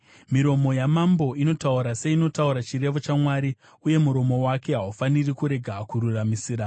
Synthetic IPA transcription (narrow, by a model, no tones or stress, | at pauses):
miɾo̞mo̞jamambo̞ino̞tauɾase̞ino̞tauɾat͡ʃiɾe̞ʋot͡ʃamwaːɾi | uje̞muɾo̞mo̞wake̞ɦaufanirikuɾe̞ɡʱakuɾuramisiːɾa